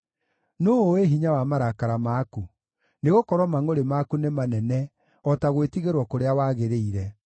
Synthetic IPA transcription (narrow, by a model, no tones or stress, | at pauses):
noːeɦiɲawamaɾakaɾamaːku | neɣokɔɾwɔmaŋoɾemaːkunemanɛnɛ | ɔtaɣwetiɣeɾwɔkoɾeawaːɣeɾeiɾɛ